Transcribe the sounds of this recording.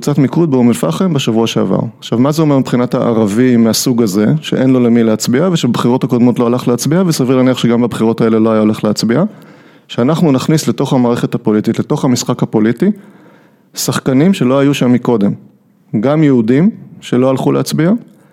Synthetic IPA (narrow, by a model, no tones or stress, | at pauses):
ut͡satmikud̚beumelfa̰χembeʃavuaʃe̞a̰va̰ʁaχʃavmazeo̞me̞ʁmipχinathaʔa̰ʁavimeasuɡaze̞ʃeʔe̞nlo̞lemileat͡sbiaveʃebχiʁo̞thakod̪mo̞tlo̞alaχleat͡sbiavesaviʁlaniaχʃeɡambabχiʁo̞tae̞leloajaoleχleat͡sbia | ʃeanaχnunaχnisle̞to̞χhamaːʁe̞χe̞thapo̞lititle̞to̞χhamisχakapo̞liti | saχkanimʃe̞lo̞ajuʃamːiko̞de̞m | ɡamjeudimʃe̞lo̞alχuleat͡sbia